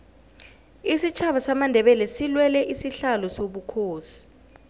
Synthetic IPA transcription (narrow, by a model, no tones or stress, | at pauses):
isit͡ʃʰaɓasamandʱɛɓɛlɛsilwɛlɛʔisiɬalɔsoɓukʰoːsi̥